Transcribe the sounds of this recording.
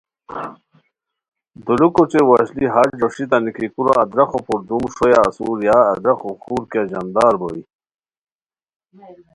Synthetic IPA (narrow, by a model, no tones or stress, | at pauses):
d̪ulukot͡ɕewaɕliɦad͡ʑɖoʂit̪anikikuɾaːd̪ɾɐxopuɾd̪umʂojaːsuɾjaːd̪ɾaxoxuːɾkjad͡ʑand̪ɑːɾboi